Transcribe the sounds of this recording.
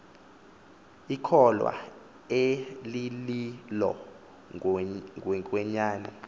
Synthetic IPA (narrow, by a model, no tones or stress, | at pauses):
ikʰɔlwa̰ | elililɔ̰ | ɛkʼwɛɲaːnɛ